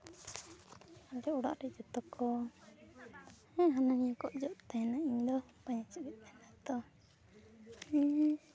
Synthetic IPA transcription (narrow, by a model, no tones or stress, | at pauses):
ald͡ʒɛuɽa̰ʔɾɛd͡ʒɔt̪ɔkʰɔ | ɛ̃ɦananijakɔʔd͡ʒɔʔt̪anaʔiɲd̪ɔ | paɲat͡ʃibit̪̚anad̪ɔ | ɛ